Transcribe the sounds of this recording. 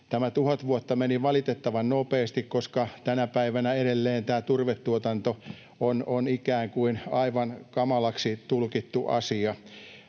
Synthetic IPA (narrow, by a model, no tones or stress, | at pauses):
t̪æmæt̪uhɑt̪ʋuot̪ːɑmeniʋɑlit̪et̪ːɑʋɑnnopeːst̪ikkoskɑt̪ænæpæiʋænæeɾelːeːnt̪æːt̪urʋet̪ːuot̪ɑnt̪o | ononikæːŋkuinɑiʋɑnkɑmɑlɑksit̪ulkit̪ːuʔɑ̰siɑ